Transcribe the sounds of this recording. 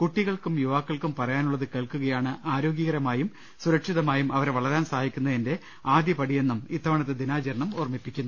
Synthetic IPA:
kuʈːiɣɐɭkumjuʋaːkːɐɭkumpɐrɐjaːnuɭːɐðɨkeːɭkuɣɐjaːɳɨʔaːɾo̞ːɡjiɣɐɾɐmaːjum | suɾɐkʂiðɐmaːjumʔɐʋɐɾʋɐɭɐɾaːnsaːɦikʲːunːɐinde̞ | aːd̪jɐpɐɽije̞nːumit̪ːɐʋɐɳɐt̪ːed̪inaːd͡ʑɐɾɐɳɐmoːrmipːikʲːunːu

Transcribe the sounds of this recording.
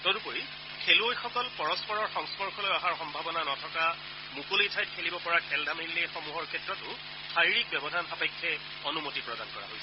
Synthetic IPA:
tɔɾupoɹi | kʰeluojxɔkɔlpɔɹɔspɔɹɔɹxɔŋspɔɹkʰɔlojɔɦaɹxɔmbʱabɔnanɔtʰɔka | mukolojtʰajt̚kʰelibɔpɔɹakʰɛldʱamilːɛxɔmuɦɔɹkʰɛtːɹɔtʊ | saɹiɹik̚bɔbɔdʱanxapɛkʰːɛ | ɔnumotipɹɔdankɔɹa̰ɦojs

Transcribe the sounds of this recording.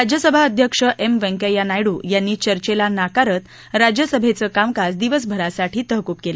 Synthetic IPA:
ɾad͡ʑjəsəbʱaəd̪ʱjəkʂəʔemʋɛ̃ŋkejanajɽuːjanːiːt͡ɕəɾt͡ɕelanakaɾət̪ | ɾad͡ʑjəsəbʱet͡səːkamkasd̪iʋəs̬bʱəɾasaʈʰiːt̪əɦkupkelə

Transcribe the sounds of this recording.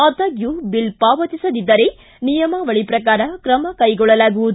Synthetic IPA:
ɐt̪ɐɡjubilpaːʋɐt̪isɐd̪id̪ːɐɾe̞ | nijɐmɐʋɐɭipɾɐkaːɾɐkɾɐmɐkɐjɡɔɭːɐlaːɡuʋud̪

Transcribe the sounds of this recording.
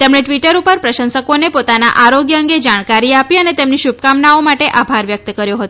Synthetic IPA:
t̪emɽeʈʋiʈəɾupəɾpɾəʃənsəkonepot̪ana̰ʔaɾoɡjəəŋɡed͡ʒaɽ̃kaɾiapiənet̪emniʃub̚kamnaomaʈeʔabʱaɾʋjək̚t̪kəɾjoɦət̪oo

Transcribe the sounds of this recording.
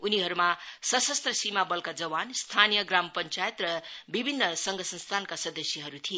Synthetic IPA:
uniɦʌɾumasʌsʌst̪rʌsimabʌlkad͡zʌwanst̪ʰanijʌɡrampʌnt͡sajet̪rʌbibʱinːʌsʌŋɡʱʌsʌnst̪ʰankasʌd̪ʌsjiɦʌɾut̪ʰie

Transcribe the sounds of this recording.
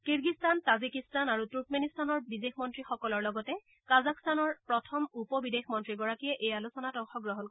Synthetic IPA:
kiɹɡistantazikistanaɹutuɹk̚menistanɔɹbidexmɔntɹixɔkɔlɔɹlɔɡɔtɛ | kazakstanɔɹpɹɔtʰɔmupɔbidexmɔntɹiɡɔɹakijɛʔejalusɔnatɔŋxɔɡɹɔɦɔnk

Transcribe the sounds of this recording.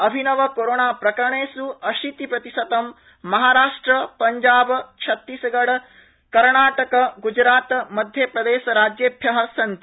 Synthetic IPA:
ɐbʱinɐʋɐkoɾoːɳaːpɾɐkɐɾɐɳeːsuɐʃit̪ipɾɐt̪isɐt̪ɐmː | ɐɦaːɾaːʂʈɾɐpɐɲd͡ʒaːbt͡ʃʰɐt̪ːisɐɡɐɽɐ | kɐɾɳaːʈɐkɐɡud͡ʒɾaːt̪mɐd̪ʱjepɾɐd̪eːʃɐɾaːd͡ʒjeːbʱjɐɦɐsɐnt̪i

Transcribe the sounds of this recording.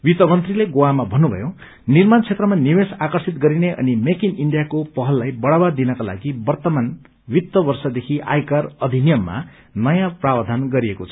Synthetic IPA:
wit̪ʌmʌnt̪rileɡowamabʱʌnːubʱʌ̰jo | nirmant͡sʰet̪rʌmaniwesakʌrsit̪ɡʌɾineʔʌ̰nimekiniɳɖijakopʌɦʌlːajbʌɽawad̪inʌkala̰ɡibʌrt̪ʌman | wit̪ːʌbʌrsʌd̪ekʰiʔa̰jkarʌd̪ʱinjʌmːa̰ | nʌjãprabd̪ʱanɡʌɾiekot͡sʰʌ̥

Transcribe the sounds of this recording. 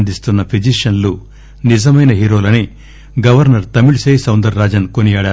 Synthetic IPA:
nd̪ist̪unːɐpʰid͡ʒiʂɐnlu | nid͡ʒɐmɐjnɐɦiːɾoːlɐni | ɡɐʋɐɾnɐɾt̪ɐmiɭsejsɐwnd̪ɐɾːaːd͡ʒɐnkonijaːɽaː

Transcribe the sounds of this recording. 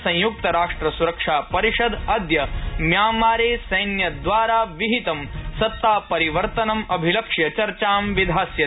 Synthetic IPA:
sɐ̃j̃juk̚t̪ɐɾaːʂʈɾɐsuɾɐkʂaːpɐɾiʃɐd̪ɐd̪jɐmjaːmaːɾeːsɐjnjɐd̪ʋaːɾaːʋiɦit̪ɐmsɐt̪ːaːpɐɾiʋɐɾt̪ɐnɐmɐbʱilɐkʂjɐt͡ʃɐɾt͡ʃaːmʋid̪ʱaːsjɐ

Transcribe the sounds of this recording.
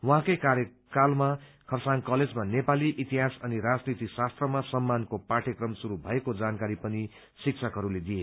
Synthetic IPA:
wʌɦãkʌjkaɾjʌ | kalma | kʰʌrsaŋkʌled͡zmanepaliʔit̪iɦasʌniɾad͡znit̪isast̪rʌmasʌmːankopaʈʰjʌkrʌmsuɾubʱʌekod͡zankaɾipʌni | sik̚t͡sʰʌkɦʌɾuled̪ije

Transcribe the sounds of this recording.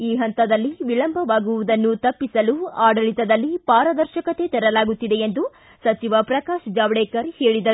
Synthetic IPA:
iːɦɐnt̪ɐd̪ɐlːiʋiɭɐmbʱɐʋaːɡuʋud̪ɐnːut̪ɐpːisɐluaːɖɐɭit̪ɐd̪ɐlːipaːɾɐd̪ɐɾʃɐkɐt̪e̞t̪ɛɾɐlaːɡut̪ːid̪e̞end̪u | sɐt͡ʃiʋɐpɾɐkaːʃd͡ʒaːʋɽeːkɐɾheːɭid̪ɐɾu

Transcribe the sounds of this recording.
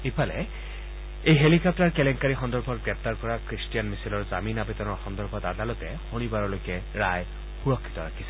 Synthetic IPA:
epʰalɛ̰ | ejɦelikɔp̚taɹkɛlɛŋkaɹixɔndɔɹbʱɔt̚ɡɹɛp̚taɹkɔɹakɹistijanmisilɔɹzaminabetɔnɔɹxɔndɔɹbʱɔtadalɔtɛxonibaɹɔlojkɛ | ɹaj | xuɹɔkʰːi̥tɔɹakʰi̥sɛ

